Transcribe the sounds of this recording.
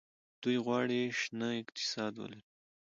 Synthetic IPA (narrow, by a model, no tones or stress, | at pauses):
d̪̥ujɣwɑɽiʃnaɪqt̪ɪ̥sɑd̪wa̰li